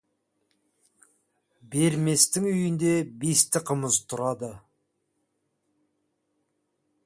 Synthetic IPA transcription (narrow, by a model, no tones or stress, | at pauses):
be̞ɾme̞st̪ɪŋʏjɪnd̪e̞best̪ɪqʰəməzt̪ʰʊɾɑd̪ə